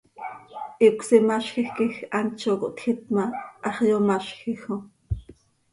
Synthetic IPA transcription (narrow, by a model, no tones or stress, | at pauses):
ʔiukʷsimaʃxixkixant͡ʃoko̰ʔt̪xit̪̚maʔɑχjomaʃxixo